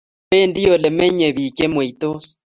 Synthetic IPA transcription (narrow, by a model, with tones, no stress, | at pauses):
pe˦ndi˦o˨le˨mɛ˦ɲe˨βi˨ke˦mwe˨i˨t̪o˦s